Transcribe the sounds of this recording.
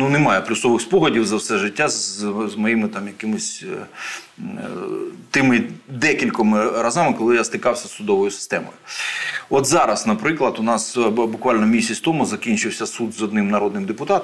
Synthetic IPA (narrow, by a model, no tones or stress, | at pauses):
nunɪmɑjɛplʲʊsɔʋɪxspɔɦɔdʲiwzɐwsɛʐɪtʲːazzmɔjimɪt̪ɑmjɐkɪmʊsʲ | t̪ɪmɪd̪ɛkʲilʲkɔmɪrɐzɑmɪkɔlˠɪjast̪ɪkɑwsʲɐsːʊd̪ɔʋɔjʊsɪ̥st̪ɛmɔ̰jʊ | ɔt̪zɑɾɐsnɐpɾɪklˠɐd̪ʊnɑsbʊkʋɑlʲnɔmʲisʲɐt͡sʲsʲt̪ɔmʊzɐkʲinʲt͡ʃɪwsʲɐsud̪zɔd̪nɪmnɐɾɔd̪nɪmd̪ɪpʊt̪ɑt̪